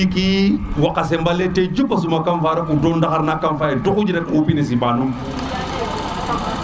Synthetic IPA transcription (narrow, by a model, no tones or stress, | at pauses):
ikiwakːas̬embaleted͡ʒupːas̬umakanfaɾakudondakaɾnakːanfajedokud͡ʒiɾatupines̬iɓanum